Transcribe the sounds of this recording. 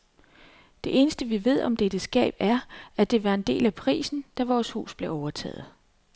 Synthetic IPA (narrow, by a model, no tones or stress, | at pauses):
d̥e̝ʔe̝ːnəsd̥əʋiʋe̝ð̞̰ˠʔɒ̽md̥ed̥əsɡ̥ɛ̰ːb̥æɐæd̥e̝ʋɑ̈e̝nd̥e̝̰ːlæpʰʁḭːsn̩d̥æʋɒːshṵːsb̥le̝ɒʊɐt͡sʰɛ̰ːð̞̩ˠ